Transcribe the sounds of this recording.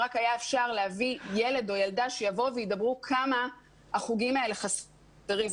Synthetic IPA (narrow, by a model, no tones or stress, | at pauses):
ʁakajaefʃaʁleavije̞le̞do̞jaldaʃejavo̞veidabʁukʰama | aχuɡimae̞leχas | eʁi